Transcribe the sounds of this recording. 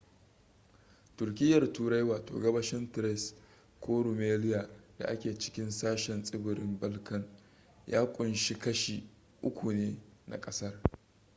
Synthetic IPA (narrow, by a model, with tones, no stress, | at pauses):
tʊ˨rkʲɪ˦jːɐ˨rtuː˨ɾa˦jwaː˨to̰ː˨ɡɐ˦bɐ˦ʃɪ˦ntɾɛ˦s | kʷoː˦ɽu˨meː˦lɪ˦ja˨d̥a̰˨ʔa˦kʲeː˨t͡ʃɪ̥˦kʲɪ˦nsaː˦ʃɛ˨nsʼɪ˦bɪ˨ɾɪ˦mbɐ˦lkɐ˨ŋ | ja̰ː˦kʷʼʊ˨nʃi˦kɐ˦ʃi˨ | ʔʊ˦kʷu˨neː˦na̰˨kʼɐ˦sɐ˦r